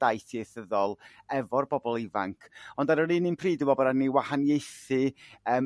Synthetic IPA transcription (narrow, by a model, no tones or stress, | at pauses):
d̥ajθjejθəðɔlˠ | ɛvɔrbɔbɔlˠɪva̰ŋkʰɔndaɾəɾiːninpʰriːdɪvɔbɔɾaniwahanjejθɨəːm